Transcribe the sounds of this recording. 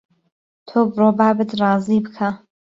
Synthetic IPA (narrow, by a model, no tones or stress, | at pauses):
t̪ʰoːbɾoːbabɨd̪rɑːzibɨkʰa